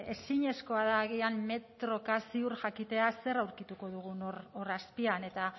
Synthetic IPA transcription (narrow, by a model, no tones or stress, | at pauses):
e̞siɲe̞sko̞aðaɣiamme̞t̪ɾo̞kasiuɾʝakit̪e̞ase̞ɾawɾkit̪uko̞ð̞uɣ̞unororaspiane̞t̪a